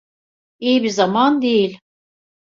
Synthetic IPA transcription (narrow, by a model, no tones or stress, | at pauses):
ijibizamand̪ejilʲ